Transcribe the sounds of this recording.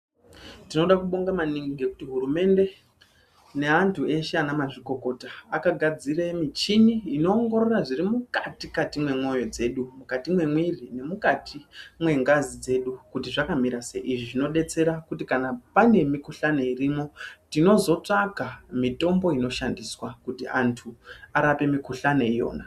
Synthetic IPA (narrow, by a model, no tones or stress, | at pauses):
tino̞ɗakuɓo̞ŋɡamaniŋɡiɡe̞kutiɦurume̞nde̞ | ne̞antʰue̞ʃeanamaʐiko̞ko̞taːkaɡʱad͡ziremit͡ʃiniːno̞ːŋɡo̞ɾo̞raʐirimukatikatimwe̞mo̞jo̞d͡ze̞ɗumukatimwe̞mwirine̞mukatʰimwe̞ŋɡazid͡ze̞ɗukutiʐakamiɾase̞̰ʔiʐiʐino̞ɗe̞t͡se̞ɾakutikanapane̞mikuɬaneirimo̞tino̞zo̞t͡ʂaɡʱamito̞mbo̞ino̞ʃandiswakutiʔantʰuaɾape̞mikuɬane̞ijo̞̰ːna